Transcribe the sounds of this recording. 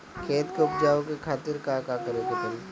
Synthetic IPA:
kʰeːt̪keʊp̚d͡ʒaːõkekʰaːt̪ɪɾkakakəɾekɐt̪əl

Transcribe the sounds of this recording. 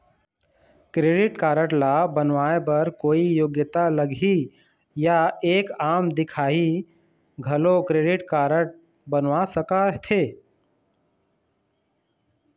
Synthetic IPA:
kɾeːɖɪʈkaːɾəʈlabənʋaːepəɾkoːijoɡjət̪aləɡʱi | jaeːkaːmd̪ɪkʰaːi | ɡʱɐlokɾeːɖɪʈkaːɾəʈ̚ | bənʋasəkat̪ʰeː

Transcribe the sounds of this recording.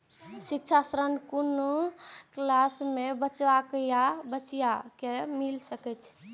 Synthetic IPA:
sik̚t͡ʃʰasɾənkunuklasmebət͡ʃʋakəjabət͡ʃijakemilsəkɛt͡ʃʰ

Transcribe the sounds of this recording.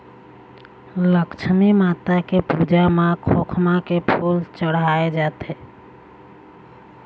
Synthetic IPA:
ləkt͡ʃʰnimaːt̪akepuːd͡ʒamãkʰoːkʰmãkepʰuːlt͡ʃəɽaːed͡ʒaːt̪eː

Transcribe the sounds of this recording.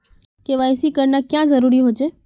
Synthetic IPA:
keʋaesikəɾnakjãzəɾuɾiɦot͡ʃʰe

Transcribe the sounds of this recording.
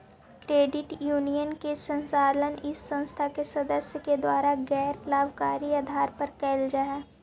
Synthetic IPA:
kɾeːɖɪʈjuːnijənkesə̃nsaːlənɪsːə̃nst̪ʰakesɐd̪əsjəked̪waːɾaɡɛːɾplaːʋkaːɾiaːd̪ʱaːɾpəɾkɛːld͡ʒaːɛː

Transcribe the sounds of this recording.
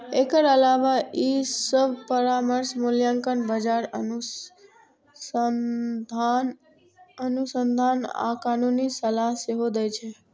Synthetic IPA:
ekəɾəlaʋaisəbʱpəɾaməɾsmʊljaŋkənbəd͡ʒaɾənu | d̪ʱan | ənusənd̪ʱana̰kanunisəlaɦseɦod̪əjt͡ʃʰe

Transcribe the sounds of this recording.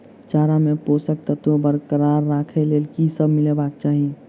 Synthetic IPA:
t͡ʃaɾameposək̚t̪ət̪obəɾkəɾaɾːakʰɛlelkisəbmilebakt͡ʃaːɦi

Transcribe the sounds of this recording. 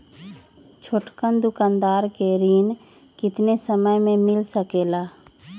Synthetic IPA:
t͡ʃʰoʈkənd̪ʊkaːnd̪aːɾkeɾiːn | kɪt̪nesəməjmẽmɪlsəkeːlaː

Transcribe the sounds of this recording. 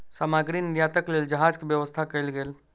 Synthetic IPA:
samaɡɾiniɾjat̪əkleːld͡ʒəɦad͡ʒkebjəʋəst̪ʰakəjlɡeːl

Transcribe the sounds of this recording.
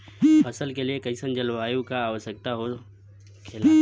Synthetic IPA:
pʰɐsəlkeliekɐisə̃nd͡ʑɐlʋaːjũkaːʋəsək̚t̪aɦo | kʰelaː

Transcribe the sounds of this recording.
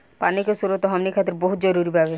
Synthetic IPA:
panikesuɾot̪oɦɔmnikʰat̪ːeɾboɦut̪d͡ʑɔɾuɾibʱabe

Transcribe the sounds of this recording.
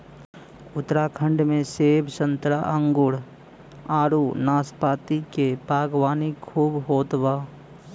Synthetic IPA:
ʊt̪ɾakʰə̃ɳɖmẽseːbʃə̃nt̪ɾaʔə̃ŋɡʊɽ | aːɾunaːspaːt̪ikepaːɡwaːnikʰuːbɦoːt̪baː

